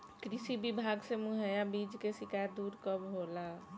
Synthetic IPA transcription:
kɾisibibʱaɡsemuɦəjabid͡ʒkesikajd̪uɾkəbɦola

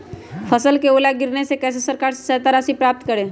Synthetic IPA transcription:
pʰəsəlkeolaɡɪɾnesekɛːs̬esəɾkaːɾse̥sɛt̪aɾasipɾaːp̚t̪kəɾe

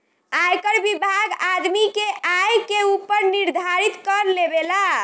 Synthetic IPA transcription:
ajkəɾbibʱaɡad̪mikeʔajkeupəɾniɾd̪ʱaɾit̪kəɾlebela

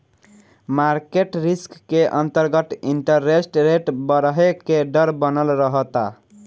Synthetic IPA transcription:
maɾkeʈɾiskːeʔənt̪əɾɡət̪iɳʈəɾːesʈɾeʈbəɾɦekeɖəɾbənəlɾəɦət̪a̰

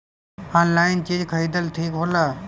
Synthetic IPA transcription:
anlaːɪnt͡ʃid͡ʒkʰəid̪əlt̪ʰiːkɦoːlaː

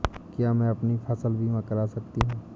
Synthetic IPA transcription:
kjaːmɛ̃ɐpnifʰɐsəlbʱimɐ̃kəɾasɐkt̪iɦũː

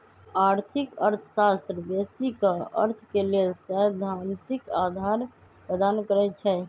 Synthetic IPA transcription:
aɾt̪ʰikəɾt̪ʰəsast̪ɾəb̪esikəə̰ɾt̪ʰkelelsɛ̃d̪ʱant̪ikad̪ʱaɾ | pɾəd̪ankəɾɛt͡ʃʰɛ

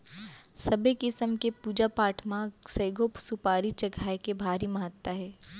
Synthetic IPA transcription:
sɐbekɪsəmkepuːd͡ʒapaːʈʰmãsɐːɡopsupaːɾit͡ʃɐɡʱaːekebʱaːɾimɐɦət̪ːaɦɛː

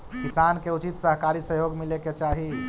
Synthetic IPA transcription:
kisaːnkeut͡ʃit̪səɦkaːɾisəɦjoːɡmileket͡ʃaːɦi

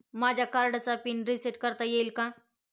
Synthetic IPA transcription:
maːd͡ʒakaɾɖat͡sapinɾisiʈkəɾt̪ajelkã

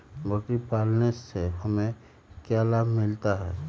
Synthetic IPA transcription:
boʈipaːlneseɦəmẽ | kjalaːbmɪlt̪aɦɛː

